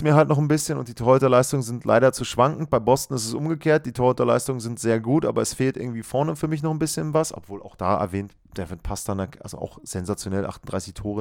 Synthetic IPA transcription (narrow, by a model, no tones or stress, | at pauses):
miːɐɦaltnɔχn̩bɪsçənʊ̰nt̚d̥iːtʰɔːʁɪtɐlaɪstʊŋənzɪntʰlʔa̰ɪɾɐt͡suːʃv̥aŋkŋ̩t̚b̥aɪbɔstn̩ɪs̬tɛsʔʊmɡəkʰeːɐt̚d̥iːtʰɔːɪtɐla̰ɪstʊŋənzɪntz̥eːɐɡuːtʔa̰ːbɐɛsfeːltʔɪɐɡŋ̩tv̥iːfɔɐnəfyːɐmɪçnɔχn̩bɪsçənvasʔɔ̰pv̥oːla̰ʊxd̥a̰ːʔɛ̰ɐvɛːnt | d̥ɛvɪtpʰastanaʔa̰lzo̰ʔa̰ʊxz̥ɛnzat͡sjonɛlʔa̰χtn̩d̥ʁaɪsɪçtʰoːʁə